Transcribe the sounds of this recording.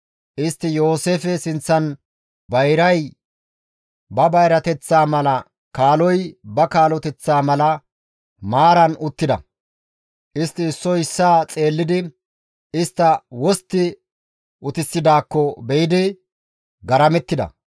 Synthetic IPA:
ʔɪst̪ːɪjo̞ːse̞ːfɛsɪnt͡sːɐn | bɐjɾɐj | bɐbɐjɾɐt̪ɛt͡sːaːmɐlɐ | kaːlɔjbɐkaːlɔt̪ɛt͡sːaːmɐlɐ | maːɾɐnʊt̪ːɪd̪ɐ̰ | ʔɪst̪ːɪːsːɔjɪsːaːt͡sʼe̞ːlːɪd̪ɪ | ɪst̪ːɐwɔst̪ːɪ | ʔʊt̪ɪsːɪd̪aːkːɔbɛjɪd̪ɪ | ɡɐɾɐmɛt̪ːɪd̪ɐ̰

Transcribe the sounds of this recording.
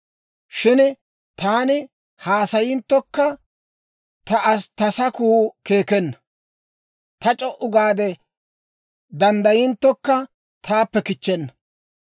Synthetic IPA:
ʃɪn | t̪aːnɪ | haːsɐjɪnt̪ːɔkːɐ | t̪ɐʔɐst̪ɐsɐkuːke̞ːkɛnːɐ̥ | t̪ɐt͡ʃʼɔʔʊɡaːd̪ɛ | d̪ɐnd̪ɐjɪnt̪ːɔkːɐ | t̪ʰaːpːɛkɪt͡ʃːɛnːɐ̥

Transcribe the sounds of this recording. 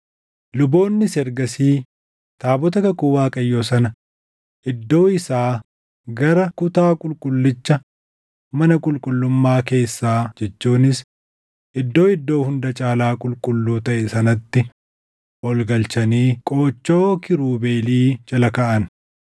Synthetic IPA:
lʊbo̞ːnːɪsɛɾɡɐsiː | t̪aːbɔt̪ɐkɐkʊwaːkʼɐjːo̞ːsɐnɐ | ʔɪd̪ːo̞ːɪsaː | ɡɐɾɐkʊt̪aːkʼʊlkʼʊlːɪt͡ʃːɐ | mɐnɐkʼʊlkʼʊlːʊmːaːke̞ːsːaːd͡ʒɛt͡ʃːuːnɪs | ʔɪd̪ːo̞ːɪd̪ːo̞ːhʊnd̪ɐt͡ʃʼaːlaːkʼʊlkʼʊlːuːt̪ɐʔɛsɐnɐt̪ːɪ | ʔɔlɡɐlt͡ʃɐniːkʼo̞ːt͡ʃːo̞ːkɪɾuːbe̞ːliːt͡ʃʼɐlɐkɐʔɐn

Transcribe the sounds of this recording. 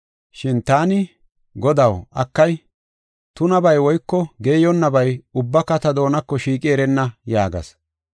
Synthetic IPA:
ʃɪnt̪aːnɪ | ɡɔd̪ɐwʔɐkːɐj | t̪ʊnɐbɐjwɔjkːɔɡeːjɔnːɐbɐjʊbːɐkɐt̪ɐd̪o̞ːnɐkːɔʃiːkʼɪɛɾɛnːɐjaːɡɐ̰s

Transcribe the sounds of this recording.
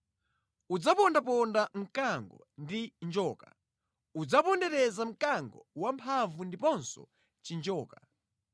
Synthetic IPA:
ud͡zapɔndapɔndam̩kaŋɡɔ̰ndind͡ʒɔːka̰ | ud͡zapɔndɛɾɛzam̩kaŋɡɔ̰wampʰavundipɔnsɔ̰ | t͡ʃind͡ʒɔːka

